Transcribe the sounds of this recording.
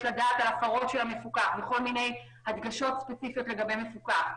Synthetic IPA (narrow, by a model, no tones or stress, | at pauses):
ladaːtalafaʁo̞tʃelhame̞fukaχveχo̞lmine̞j | had̪ɡaʃo̞tspet͡sifijo̞tle̞ɡabe̞jme̞fukaχ